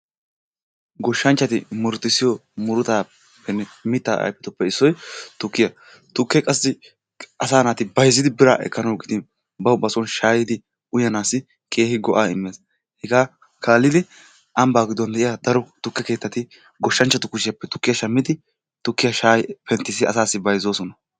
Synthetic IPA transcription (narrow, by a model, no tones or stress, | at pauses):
ɡɔʃːɐnt͡ʃːɐt̪ɪmʊɾt̪ːɪsːɪjɔmʊɾʊt̪aː | pːɛnɛmɪt̪ːaːʔɐ̰jpːɛt̪ɔpːɛɪsːɔjt̪ʊkːɪjɐ | t̪ʊkːɛkʼɐsːɪ | ʔɐsaːnaːt̪ɪbɐjzːɪd̪ɪbɪɾaːʔɛ̰kːɐnɐwɡɪd̪ɪn | bɐwbɐsɔnʃaːjɪd̪ɪ | ʊjɐnaːsɪ | kʼe̞ːhɪɡɔʔaːɪmːeːs | hɛɡaː | kʰaːlːɪd̪ɪ | ʔɐmbaːɡɪd̪ːɔnd̪ɛʔɪjad̪ɐɾɔt̪ʊkːɛke̞ːt̪ːɐt̪ɪ | ɡɔʃːɐnt͡ʃːɐt̪ʊkʊʃɪjɐpːɛt̪ʊkːɪjɐʃɐmːɪd̪ɪ | t̪ʊkːɪjɐʃaːjpɛnt̪ːɪsɪɐsaːsːɪbɐjzoːsɔnɐ